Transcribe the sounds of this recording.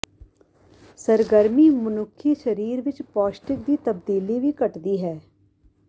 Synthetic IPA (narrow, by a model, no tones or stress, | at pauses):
səɾɡəɾmiːmʊnʊkʰːiːʃəɾiːɾʋɪt͡ʃpɔːʃʈɪk̚d̪iːt̪əbd̪iːliːʋiːkəʈd̪iːɦɛː